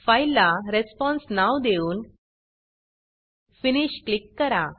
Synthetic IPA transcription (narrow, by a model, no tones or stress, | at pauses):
fajlːaɾespɔ̃nsnaʋd̪euːn | finiɕklikːəɾa